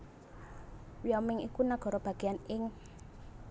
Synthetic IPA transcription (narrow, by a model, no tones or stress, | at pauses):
wiɔmɪŋḭkunaɡ̥ɔ̤ɾɔb̥a̤ɡ̥eanɪŋ